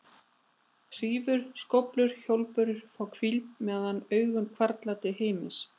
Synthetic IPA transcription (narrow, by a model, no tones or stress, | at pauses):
r̥iːvʏɾ̥skɔplʏɾ̥çowlpʏɾʏɾ̥fawkʰvilt̪mɛːðanœːɥɣʏnkʰvaɾt̪lat̪ɪhejmɪs